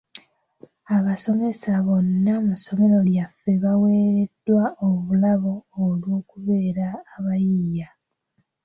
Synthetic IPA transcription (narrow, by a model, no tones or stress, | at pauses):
aβaso̞me̞saβo̞nːamuso̞me̞ɾo̞ljafːe̞βawe̞ːɾe̞dːwaoβulaβo̞ːlwo̞ːkuβe̞ːɾaːβajija